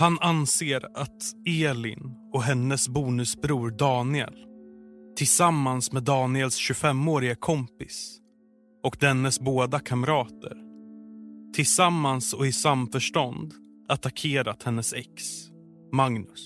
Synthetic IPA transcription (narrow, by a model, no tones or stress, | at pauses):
hananseːɾat̪eːlɪ̰n | ɔɦɛnːəsbuːnɵsbɾuːɾɖɑːnɪɛ̰lt̪ʰɪlsamːansmɛd̪ɑːnɪɛlsɕɵfɛmːoːɾɪɡakʰɔmpɪs | ɔkd̪ɛnːəsboːd̪akʰamɾɑːt̪ʰə̰ɾ | t̪ʰɪlsamːansɔɪsamfœʂʈɔnd̪ | at̪akʰeːɾat̪hɛnːəsɛks | maŋnɵs